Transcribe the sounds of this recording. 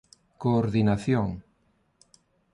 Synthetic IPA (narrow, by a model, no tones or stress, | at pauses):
koːɾðinaθjoŋ